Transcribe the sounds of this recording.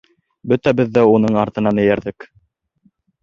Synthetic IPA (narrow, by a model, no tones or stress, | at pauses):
bɵt̪æbɘðːæunɤɴɑɾt̪ɤ̆nɑnɘ̆jæɾðɘk